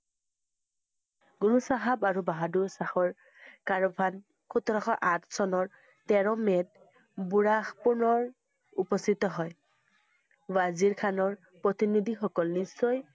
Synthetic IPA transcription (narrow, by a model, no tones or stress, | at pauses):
ɡuɹusaɦabaɹubaɦaduɹsaxɔɹ | kaɹɔbʰʱan | kʰutɔɹɔxɔʔatʰsɔnɔɹ | tɛɹɔmɛt̚ | buɹaxpunɔɹ | upɔst̪itɔɦɔj | waziɹkʰanɔɹ | pɹɔtinid̪ʱixɔkɔlnisːɔj